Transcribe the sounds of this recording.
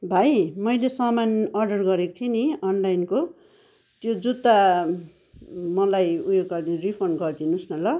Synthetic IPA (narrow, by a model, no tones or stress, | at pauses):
bʱajmʌjlesʌmanʌrɖʌrɡʌɾekot̪ʰeniʌnlajnko | t̪jod͡zut̪a | mʌlajujoɡɡʌrd̪iripʰʌrnɡʌrd̪inusnʌlʌ